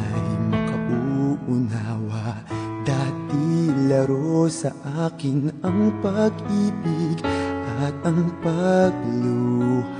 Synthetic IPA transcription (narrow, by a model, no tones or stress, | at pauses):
jmɐkɐʔuʔʊnaːwɐ | d̪aːt̪ilɐɾosɐʔaːkɪnɐŋpɐɡʔiːbɪɡʔɐt̪̚ɐŋpɐɡ̚lo